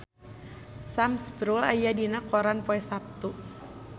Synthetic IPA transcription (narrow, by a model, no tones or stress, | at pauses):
samsbɾulajadinakɔɾanpoɛsap̚t̪u